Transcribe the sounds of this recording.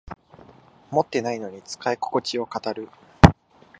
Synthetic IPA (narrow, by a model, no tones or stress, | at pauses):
mo̞t̪ːe̞naino̞ɲ̟it͡sɨ̥kaiko̥ko̞t͡ɕio̞kat̪aɾɯ̟